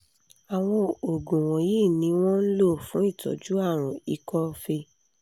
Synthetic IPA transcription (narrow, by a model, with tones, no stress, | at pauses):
a˨w̃ɔ̃˧o˨ɡũ˨w̃ɔ̃˨jiː˦˨nĩ˨˧˦w̃ɔ̃˦n̩˦lo˦˨fũ˨˦i˦˨tɔ̰˨d͡ʒu˨˦a˦˨ɾ̃ɔ̃˨i˨kɔ˧fe˧